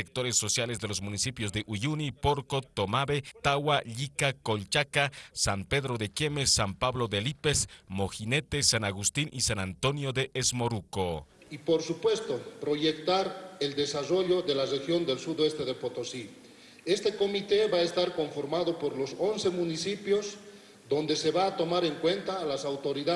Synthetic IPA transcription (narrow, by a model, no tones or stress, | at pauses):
ek̚t̪o̞ɾe̞sːo̞sjalezðe̞lo̞zmunisipjo̞zðe̞ʔuʝunipo̞ɾko̞t̪omaβe̞t̪awaʎikako̞lt͡ʃakasampe̞ðɾo̞ðe̞kje̞mesːampaβlo̞ðelipesmo̞xine̞t̪e̞sanaɣust̪inʔisanant̪o̞njo̞ðe̞ʔezmo̞ɾukoipoɾsupwe̞st̪opɾoʝekt̪aɾeld̪e̞saro̞ʎo̞ðelarexjo̞nd̪e̞lsuðoest̪eðepot̪osi | e̞st̪e̞ko̞mit̪e̞βaest̪aɾko̞ɱfo̞ɾmaðo̞poɾlo̞so̞nse̞mũnisipjo̞z | d̪o̞nd̪e̞se̞βaːt̪o̞maɾeŋkwe̞nt̪aːlasawt̪o̞ɾiða